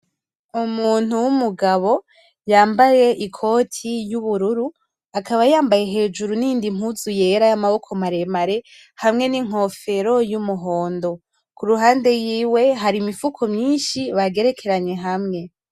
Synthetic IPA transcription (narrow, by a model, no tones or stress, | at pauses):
umuːn̥uwumuɡaβo̞ | jaːmbaje̞ʔikʰo̞ːtʰijuβuɾuɾu | akaβajaːmbaje̞ɦe̞ːd͡ʒuɾunindim̥huzuje̞ɾajamaβo̞kʰo̞maɾe̞maɾe̞ | hamŋe̞niŋ̥o̞fe̞ɾo̞jumuɦo̞ːndo̞ | kʰuɾuɦaːnde̞jiːwe̞ɦaɾimifukʰo̞mɲiːnʃiβaɡe̞ɾe̞kʰe̞ɾaɲe̞ɦamŋe̞